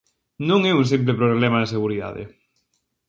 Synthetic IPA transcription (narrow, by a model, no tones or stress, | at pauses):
nũŋɛuŋs̬imp̬lepɾoβlɛmaðeseɣuɾiða̰ðɪ̰